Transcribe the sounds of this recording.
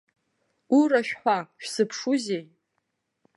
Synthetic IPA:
uɾaʃᶣħʷaʃᶣsɨpʰʂuzej

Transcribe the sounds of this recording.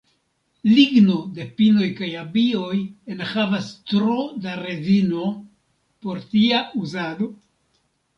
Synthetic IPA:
liɡno̞de̞pino̞jkajabio̞jenhavastɾodaɾe̞zino̞ | po̞ɾtiauzado̞

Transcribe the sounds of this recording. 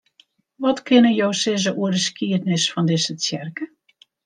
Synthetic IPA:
ʋɔtkʰɪnəjowsɪz̬əʔuədəskiətnɪsfɔndɪsət͡sjɛrkə

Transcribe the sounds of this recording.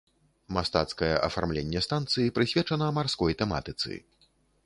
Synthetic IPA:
mast̪at̪skɐjɛʔɐ̰farmlʲenʲːɛst̪ant̪sɨjipɾɨsʲvʲɛt͡ʂɐnɐmarskɔjt̪ɛma̰t̪ɨt̪sɨ̰

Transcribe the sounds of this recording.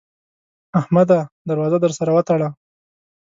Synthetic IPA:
ahmad̪ad̪aɾwɑzad̪əɾsaɾawət̪aɽa

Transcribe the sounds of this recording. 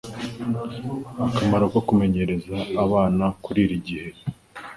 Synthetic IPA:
akamaɾokokume̞ɲe̞ɾe̞zaːβaːnakuɾiːɾiɟihe̞

